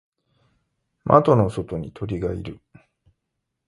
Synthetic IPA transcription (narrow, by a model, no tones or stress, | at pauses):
mʔa̰t̪o̞no̞so̞t̪o̞ɲ̟it̪ʰo̞ɾʲiɡaḭɾɯ̟